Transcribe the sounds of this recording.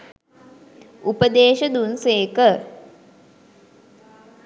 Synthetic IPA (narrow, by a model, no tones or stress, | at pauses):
upəd̪eːʃəd̪unseːkə